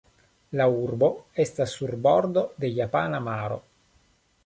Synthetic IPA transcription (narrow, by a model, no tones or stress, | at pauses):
laurboɛst̪asulbɔrd̪od̪ejapanamaːɾo̰